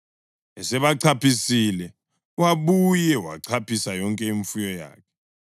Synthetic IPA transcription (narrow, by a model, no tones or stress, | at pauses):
ɛsɛβaǀʰapʰisilɛ | waɓujɛwa̰ǀʰapʰisajɔŋkʼɛiɱfujɔja̰ːkʰɛ̥